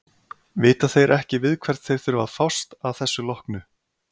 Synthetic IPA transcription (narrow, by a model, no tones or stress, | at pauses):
vɪːt̪aθejɾʔɛhcɪvɪðkʰvɛɾ̥t̪θejɾ̥θʏɾʏva̰ðfawst̪aðθɛsːʏlɔhknʏ